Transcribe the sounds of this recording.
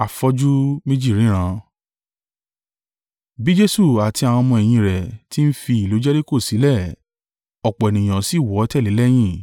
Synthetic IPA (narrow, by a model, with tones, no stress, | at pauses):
a˨fɔ˧˦d͡ʒu˦mĩ˦d͡ʒi˦˨ɾĩ˨˦ɾ̃ã˧˦ | bi˦d͡ʒe˦su˦˨a˨ti˧a˨w̃ã˧mɔ̃˧ɛ˨j̃ĩ˧ɾɛ˨ti˦n̩˦fi˧i˨lo˨˦d͡ʒɛ˦de˦ko˦˨si˨˦lɛ˦˨ | ɔ˨k͡pɔ˨ɛ˨nĩ˨j̃ã˨si˦˨wɔ˨˦tɛ˦˨li˨˦lɛ˦j̃ĩ˦˨